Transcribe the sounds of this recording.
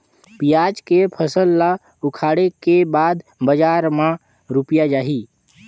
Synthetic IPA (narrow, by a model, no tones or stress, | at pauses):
pijaːd͡ʒkepʰəsəlːa | ʊkʰaːɽekebaːd̪bəd͡ʒaːɾmã | ɾʊpjad͡ʒaːɦiː